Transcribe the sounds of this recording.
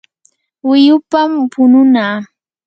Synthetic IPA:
wɪjʊpampʊnʊnaː

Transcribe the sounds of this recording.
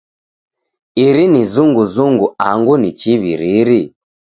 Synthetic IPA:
iɾinizuŋɡuzuŋɡuaŋɡunit͡ʃiβḭɾiɾi

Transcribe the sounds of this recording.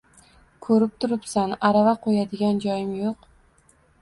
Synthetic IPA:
kʰɵɾɪp̚t̪ʰʊɾɪpsanaɾavaqʰojad̪ɪɡʲand͡ʒɒjɪmjoq

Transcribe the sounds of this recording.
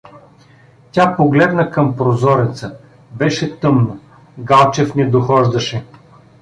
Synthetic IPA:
tʲapoɡlɛd̪nəkəmpɾozɔɾɛt̪sə | bɛʃɛt̪ɤmno | ɡalˠt͡ʃɛfnɛd̪oxɔʒd̪ɐʃɛ

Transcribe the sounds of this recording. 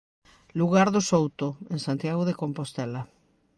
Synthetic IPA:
luɣ̞aɾðosowt̪oẽŋsãnt̪jaɣoðekompost̪ɛla

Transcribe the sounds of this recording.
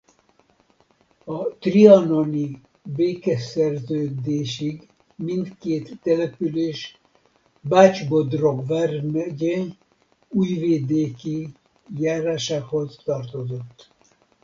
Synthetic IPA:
ɒt̪riɒnoni | beːkɛsɛrzøːd̪eːʃiɡ | mint̪keːt̪ːɛlɛpyleːʃ | baːt͡ʃbod̪roɡvɛrmɛɟe | uːjveːd̪eːki | jaːɾaːʃaːkho̞zt̪ɒrt̪o̞zo̞t̪ː

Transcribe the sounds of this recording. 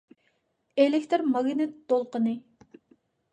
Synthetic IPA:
elɪkʲt̪ʰɾmɑɡʲinɨt̪d̪olˠqənɨ

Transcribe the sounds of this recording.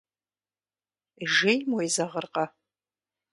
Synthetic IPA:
iʒejmojzɐʁərqʼɐ

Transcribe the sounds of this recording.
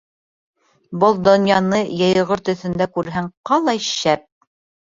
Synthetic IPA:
bɤlˠd̪ŏnjɑnɤjɤ̆jɤ̆ʁɤɾt̪ɵ̆θɵ̆nd̪ækʉɾɦæŋqɑlˠɑjʃæp̚

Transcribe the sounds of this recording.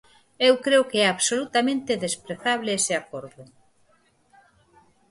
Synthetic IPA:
ewkɾeʊkeɛaβsolut̪amẽnt̪ɪðespɾeθaβlɪeseakoɾðʊ

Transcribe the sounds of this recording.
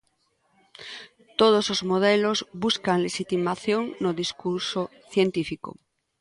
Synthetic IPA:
t̪oð̞osozmoð̞elozβuskaŋleʃit̪imaθjoŋnoðiskuɾso | θjent̪ifiko̰

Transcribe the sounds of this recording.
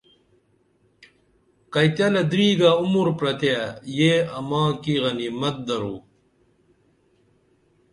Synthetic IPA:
kɐjt̪jɐlɐd̪ɾiːɡaːumuɾpɾɐt̪jajeːɐmãːkiɣɐnimɐt̪̚d̪ɐɾuː

